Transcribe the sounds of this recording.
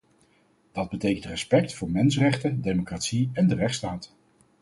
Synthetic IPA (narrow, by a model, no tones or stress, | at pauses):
d̥ɑd̚bətejkəntrɛspɛk̚tfʊːɹmɛnsrɛχtədejmokratsiɛndərɛχtstaːt